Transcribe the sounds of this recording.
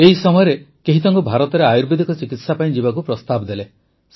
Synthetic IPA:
eɦisɔmɔjɔɾekeɦit̪ɔŋkubʱaɾɔt̪ɔɾeajuɾbid̪ʱikɔt͡ʃikit̪sapaĩd͡ʒibakupɾɔst̪abɔd̪ele | s

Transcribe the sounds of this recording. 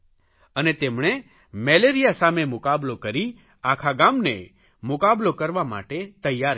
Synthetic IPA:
ənet̪emɳ̃e | mɛleɾijasamemʊkablokəɾi | akʰaɡamnḛ | mʊkablokəɾʋama̰ʈet̪əjːaɾ

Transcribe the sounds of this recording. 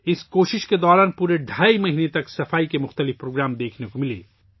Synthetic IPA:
ɪskoːʃɪʃked̪ɔːɾaːnpuːɾeɖʱaːimɐɦiːnet̪ɐksɐfaːikemʊxt̪əlɪfpɾoːɡɾaːmd̪eːkʰnekomɪlḛː

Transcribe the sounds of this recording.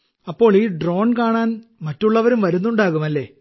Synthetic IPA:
ɐpːo̞ːɭiːɖro̞ːnkaːɳaːnmɐtːuɭːɐʋɐɾumʋɐɾunːuɳɖaːɣumɐlːe̞ː

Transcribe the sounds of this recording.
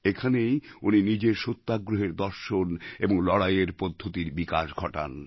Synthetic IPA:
ekʰanejuninid͡ʑeɾʃot̪ːaɡɾoɦeɾd̪ɔɾʃoneboŋlɔɽajeɾpod̪ʱːot̪iɾbikaʃɡʱɔʈa̰n

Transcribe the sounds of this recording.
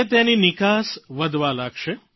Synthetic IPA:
t̪eninɪkasʋəd̪ʋalaɡʃe

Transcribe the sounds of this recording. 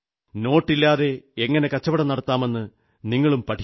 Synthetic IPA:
no̞ːʈːilːaːðe̞eŋːɐne̞kɐt͡ɕːɐʋɐɽɐnɐɽɐt̪ːaːme̞nːɨ | niŋːɐɭumpɐʈʰi

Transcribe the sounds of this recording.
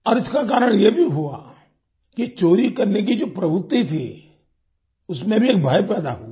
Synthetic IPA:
ɔɾɪskak̬aːɾəɽ̃jebʱiɦua̰ | kit͡ʃoːɾikɐɾnek̬id͡ʒoːpɾɐbʱʊt̪ːit̪ʰi | ʊsmẽbʱieːk̚bʱaːjpɛːd̪a̰ɦu

